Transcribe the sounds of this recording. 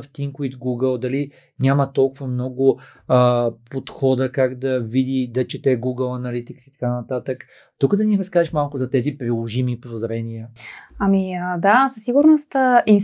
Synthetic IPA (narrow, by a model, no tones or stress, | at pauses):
ft̪iŋkit̪ɡuɡəlˠd̪ɐli | nʲamət̪ɔlˠkʊvɐmnɔɡʊ | pot̪xɔd̪əkaɡd̪ɐvid̪id̪ɐt͡ʃɛt̪ɛɡuɡəlˠɐnɐlit̪iksi̥t̪ɐ̥kanɐt̪at̪ək | t̪ukəd̪ɐniɾɐskaɛʃmalˠkʊzɐt̪ɛzipɾilˠoʒimipodozɾɛniəɐmiəd̪asəsːiɡʊɾnost̪əi